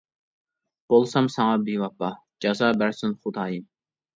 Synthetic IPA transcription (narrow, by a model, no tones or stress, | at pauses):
b̥olˠsɑmsɑŋɑbiwɑpːɑ | d͡ʒɑzɑːbæɾsɪnχʊd̪ɑːjim